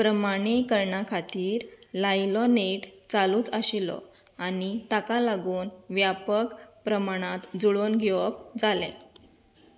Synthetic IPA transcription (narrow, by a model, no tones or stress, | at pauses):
pɾəmaɽ̃ikəɾɳakʰat̪iːɾlajlɔneʈt͡saluːt͡saɕilɔ̰ | anit̪akalaɡuːnʋjapəkpɾəmaɽ̃at̪d͡zuɭonɡʱeʋɔpd͡zalɛ̰̃